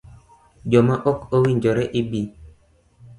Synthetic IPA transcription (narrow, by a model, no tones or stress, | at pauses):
d͡ʒɔmaʔɔkowiɲd͡ʒɔɾɛʔibi